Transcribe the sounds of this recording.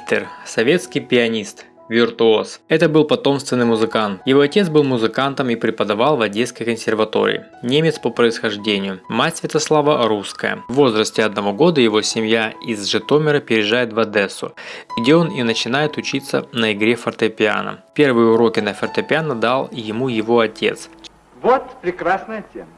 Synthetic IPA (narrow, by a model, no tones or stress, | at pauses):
t̪ʲɪrsɐvʲe̞t̪skʲɪjpʲɪɐnʲist̪ | vʲɪrt̪ʊo̞sɛt̪əbɨlˠpɐt̪o̞mst̪vʲɪnːɨjmʊzɨkant̪jɪvo̞ɐtʲe̞t̪sbɨlˠmʊzɨkant̪əmipɾʲɪpəd̪ɐvalˠvɐdʲːej̪skəjkənsʲɪrvɐt̪o̞̰ɾʲɪ̰ːɪ̰ | nʲemʲɪt̪spəpɾəɪsxɐʐdʲenʲɪjʊmatʲsvʲɪt̪ɐslˠavəɾuskəjə̰vːo̞zɾəsʲtʲɪɐd̪̚nɐvo̞ɡo̞d̪əjɪvo̞sʲɪmjaɪzʐɨt̪o̞mʲɪɾəpʲɪɾʲɪʐajɪt̪vɐd̪ɛsːʊ̰ɡdʲeo̞ninət͡ɕɪnajɪt̪ʊt͡ɕit̪sːə̰nəɪɡɾʲefərt̪əpʲɪa̰nə̰pʲe̞rvɨjəʊɾo̞kʲɪnəfʲərt̪əpʲɪanəd̪alˠjɪmujɪvo̞ɐtʲʰe̞̰t̪s | vot̪pɾʲɪkɾasnəjətʲemə